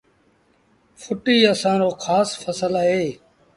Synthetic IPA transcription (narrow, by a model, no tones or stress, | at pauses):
fʰʊʈiːəsãːɾoːxʰaːsfəsəlaɦeː